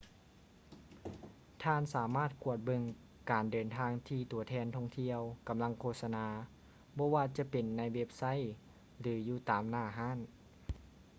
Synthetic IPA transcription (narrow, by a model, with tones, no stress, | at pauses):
t̪ʰaː˧˥˨nsaː˩˦maː˥˩t̪̚ku˧˩ət̪̚bɤ˧˨ŋ | kaː˨˩ndɤː˨˩nt̪ʰaː˧ŋt̪ʰiː˧t̪u˨˩ɐt̪ʰɛː˧˩nt̪ʰɔ˧˩ŋt̪ʰi˧əwka˨mla˧˥ŋkʰoː˧˩t̪̚sa˧naː˧˦ | bɔː˧˥waː˧t͡ɕa˧˦pe˨˩nːa˧˩jwe˦˧˥p̚sa˧˥˨j | lɯː˨˦juː˧˩t̪aː˨˩mnaː˧˩ɦaː˧˥˨n